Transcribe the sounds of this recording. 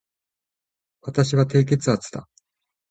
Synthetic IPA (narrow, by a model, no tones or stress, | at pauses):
βat̪aɕiβat̪e̞ːk̬e̞t͡sɨat͡sɨ̥t̪a̰